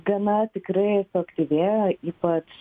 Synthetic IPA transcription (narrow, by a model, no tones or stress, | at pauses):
ɡɐnɐt̪ʲɪkrɐɪsʊɐkt̪ʲiːʋʲeːjoːʔiːpɐt͡ʃ